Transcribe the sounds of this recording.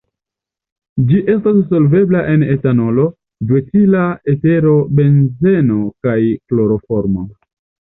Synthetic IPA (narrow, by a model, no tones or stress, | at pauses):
d͡ʒiʔe̞stasːo̞lve̞blaʔe̞ne̞tano̞lo̞ | dwet͡silaete̞ɾo̞be̞nze̞nokajklo̞ɾo̞fo̞ɾmo